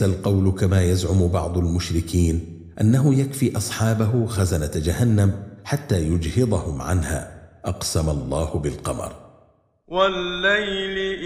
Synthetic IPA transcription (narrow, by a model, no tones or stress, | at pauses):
alqɑwlkamaːjazʕʊmbɑʕd̪ˤalmʊʃɾɪkiːn | ʔanːaɦʊjakfiːʔɑsˤħɑːbaɦʊxazanad͡ʒahanːamħat̪ːaːjʊd͡ʒhɪd̪ˤɑhʊmʕa̰nha̰ːʔɑqsamalˤːɑːhʊbɪlqɑmɑ̰ɾˤ | walːajl